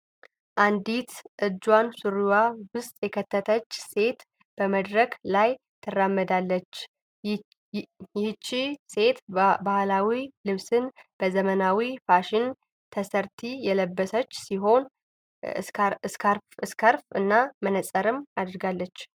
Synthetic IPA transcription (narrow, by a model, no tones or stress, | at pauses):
ʔand̪it̪ʰʔɨd͡ʒwansuɾiwawʊst̪ʼjɛkʰət̪ʰːət̪ʰət͡ʃːse̞t̪ | b̥əməd̪ɾəklaj | t̪ʰɨramːəd̪alːət͡ʃː | ɛhɨt͡ʃːise̞t̪bahlawilɨβsɨnb̥əzəmənawifaʃɪn | t̪ʰəsəɾt̪ʰijɛləbːəsət͡ʃːsiɦo̞n | ɾɨskʰəɾfɨnːamənəsʼəɾɨmad̪ɾɨɡalːət͡ʃː